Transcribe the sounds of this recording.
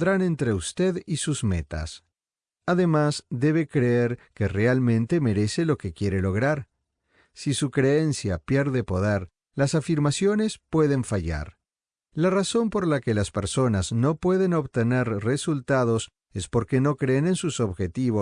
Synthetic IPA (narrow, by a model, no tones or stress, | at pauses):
d̪ɾane̞nt̪ɾeust̪eðisuzmḛt̪a̰s | aðe̞mazd̪e̞βe̞kɾeeɾke̞realmẽ̞nt̪e̞me̞ɾe̞se̞lo̞ke̞kje̞ɾe̞lo̞ɣ̞ɾaɾ | sisukɾeensjapjeɾðe̞po̞ð̞eɾ | lasafiɾmasjo̞ne̞spwe̞ðe̞ɱfaʎa̰ɾ | laraso̞mpo̞ɾlakelaspeɾso̞nazno̞pwe̞ð̞e̞no̞βt̪eneɾre̞sult̪að̞o̞s | e̞spo̞ɾke̞no̞kɾeːnensuso̞βxe̞t̪iβo